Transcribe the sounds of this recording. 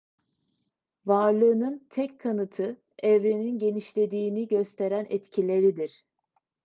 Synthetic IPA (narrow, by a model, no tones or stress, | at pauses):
vaɾlˠɯːnɯnt̪ʰɛckʰːanɯt̪ʰɯ | ɛvɾeninɟe̞niʃlʲe̞d̪iːniɟø̞st̪ʰe̞ɾænʔɛt̪cʰilʲe̞ɾid̪iɾ̥